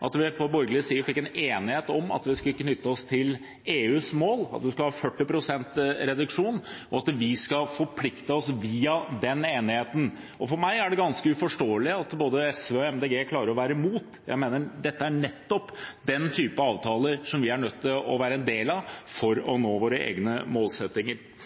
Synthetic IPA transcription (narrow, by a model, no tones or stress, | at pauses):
ʔɑt̪ʋɪpʰɔbɔɾɡəlɪəsiːfɪkːɛneːnɪheːt̪ɔmɑ̰t̪ʋɪskɑkʰnʏt̪ːəɔst̪ʰɪl | eːʉːsmoːlɑ̰t̪d̪ʉskɑhɑːfœʈːɪpɾʊsɛnt̪ɾɛd̪ʉkʂuːnɔɑt̪ʋɪskɑfɔɾpʰlɪkt̪əɔsʋiːɑd̪ɛneːnɪheːt̪n̩ | ɔfɔɾmæɪæɖɛɡɑnskəʉfɔʂʈoːəlɪɑt̪boːd̪əɛsʋeːɔɛmd̪eːɡeːkʰlɑːɾəɾɔʋæːɾəmuːt̪ | jæ̰ɪmeːnəɖ̪ɛt̪ːəæɳɛt̪ːɔpd̪ɛnt̪ʰyːpəɑːʋt̪ʰɑːləɾʂɔmʋɪæɳœt̪ʰːɪlɔʋæːɾəɛnd̪eːlɑʋfɔɾɔnoːʋoːɾəʔḛːɡnəmoːlsɛt̪ːɪŋəɾ